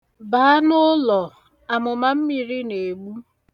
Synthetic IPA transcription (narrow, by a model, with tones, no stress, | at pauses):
ba˨˦nʊ˦lɔ˨ | a˨mʊ˨ma˦m̩˦mi˨ɾi˦ne˨ɡ͡bu˦